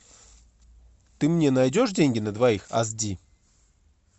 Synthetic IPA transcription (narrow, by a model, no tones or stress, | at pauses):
t̪ɨmnʲenajdʲo̞ʂdʲenʲɡʲɪnət̪vɐixɐ̰zdʲi